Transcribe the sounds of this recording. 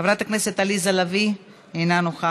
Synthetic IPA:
avɾat̪akneset̪alizalavi | enanoxa

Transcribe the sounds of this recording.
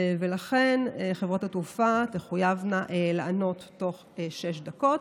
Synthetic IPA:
velaχe̞nχevʁat̪at̪ufat̪eχujavnaʔelaʔano̞t̪ːo̞χ | eʃeʃdako̞t̪

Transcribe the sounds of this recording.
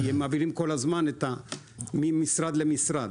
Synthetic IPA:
emːaːviʁimko̞lazmanet̪a | mimisɾad̪lemisɾad̪

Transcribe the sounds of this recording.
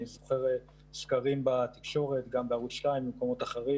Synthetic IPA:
izoχe̞ʁ | skaʁimbat̪i̥kʃo̞ʁet̪ɡambeaʁut̪ʃlaimbimko̞mo̞t̪aχeʁi

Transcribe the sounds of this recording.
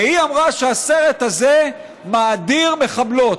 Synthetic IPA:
eiamʁaʃeaseʁet̪haze | maːd̪iʁme̞χablo̞t

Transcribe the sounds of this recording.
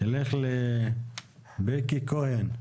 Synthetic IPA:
eleχle | bekikohen

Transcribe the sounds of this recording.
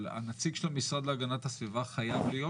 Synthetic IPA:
a̰nat͡siɡʃelamisʁod̪leaɡanat̪hasvivaχajavlejo

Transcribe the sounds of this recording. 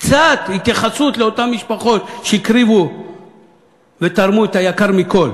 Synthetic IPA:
kkt͡sat̪hit̪jaχasut̪leo̞tamːiʃpaχo̞t̪ʃeikɾivu | vet̪aʁmuet̪ajakaʁmiko̞l

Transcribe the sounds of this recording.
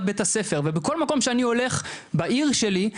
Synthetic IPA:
bet̪ase̞feʁvebeko̞lmako̞mʃeanio̞le̞χbaʔiʁʃe̞li

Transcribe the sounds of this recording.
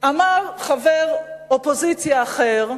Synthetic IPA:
amaʁχaveʁopozit͡sjaːχeʁ

